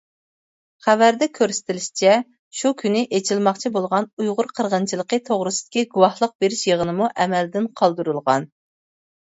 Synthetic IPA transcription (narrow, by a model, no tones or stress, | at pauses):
χævæɾd̪ɛkʲʰøɾsɪ̥t̪ʰɪlɪʃi̥t͡ʃʰɛ | ʃukʲʰynɪʔet͡ʃʰilmɑqt͡ʃʰibolˠʁɑnujʁʊɾqʰəɾʁənt͡ʃʰilˠəqət̪ʰoʁɾɨsɨ̥d̪̥ɪ̥kʲiɡuwɑhlˠəq̚beɾɪʃjeʁənɨmuʔɛmɛld̪ɪnqʰɑlˠd̪uɾulˠʁɑn